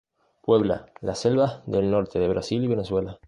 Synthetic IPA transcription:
pwe̞βla̰laselβaðelno̞ɾt̪eðeβɾʔasiliβeneswela

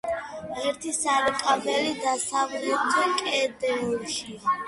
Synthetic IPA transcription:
ɛɾt̪ʰisaɾkʼabɛlid̪asavɾiɔt̪ʰɛnkʼɛːd̪ɛuɾʃia

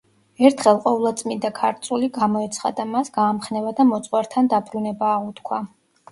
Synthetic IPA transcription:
ɛɾt̪ʰχɛlˠqʼɔvlˠat̪sʼmind̪akʰaɾt̪sʼuliɡamɔɛt̪sʰχa̰d̪amasɡaːmχnɛvad̪amɔt̪sʼwɛɾt̪ʰand̪abɾunɛbaːʁut̪kʰwa

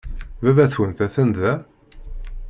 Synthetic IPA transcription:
vævæθwənt̪æθənðæ

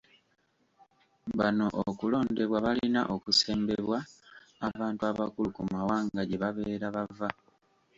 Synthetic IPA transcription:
βano̞ʔokulo̞ːnde̞βwaβalina̰ʔo̞kuse̞ːmbe̞βwaː | βaːntuaβakulukumawaːŋɡaɟe̞βaβe̞ːɾaβava

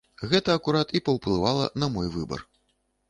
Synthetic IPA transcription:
ɣɛt̪ɐːkuɾat̪ipɐwplˠɨvalˠɐ̰nɐmɔjvɨbɐ̰r

